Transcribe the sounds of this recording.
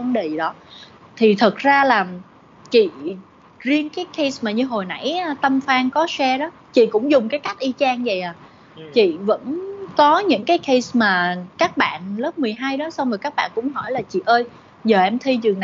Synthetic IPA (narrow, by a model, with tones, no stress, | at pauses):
nɗə˨˩ɗɔ˨˦ | t̪ʰi˨˩t̪ʰə˨˩t̚zaː˧laː˨˩ | t͡ɕḭ˧˨ | zi˧ənkaː˨˦jkʰə˧smaː˨˩ɲɨ˧ɦo˨˩jna̰˧˥jt̪ə˧mfaː˧ŋkɔ˨˦sɛ˧ɗɔ˨˦ | t͡ɕḭ˧˨kʊ̰˧˥ŋ͡mzʊ˨˩ŋ͡mkaː˨˦jka˦˥jk̟̚ʔi˧t͡ɕaː˧ŋzə˨˩jʔaː˨˩ | t͡ɕḭ˧˨və̰˧˥nkɔ˨˦ɲɨ̰˧˥ŋkaː˨˦jkʰə˧jsmaː˨˩kaː˦˥k̚ɓa̰ː˧˨nlə˦˥p̚mɨ˨˩əjɦaː˧jɗɔ˨˦sa˧wŋ͡mə˨˩kaː˦˥k̚ɓa̰ː˧˨nkʊ̰˧˥ŋ͡mɦɔ˧˩jlaː˨˩t͡ɕḭ˧˨ʔəː˧j | zəː˨˩ʔɛ˧mt̪ʰi˧zɨ˨˩na˨